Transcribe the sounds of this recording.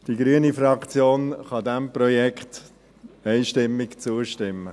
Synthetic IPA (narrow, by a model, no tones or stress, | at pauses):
d̥iɡɾyənifɾɑkt͡sjoːnχɑd̪ɛmprɔjɛkχt | ɛɪʃtɪmːɪkt͡suəʃtɪmːə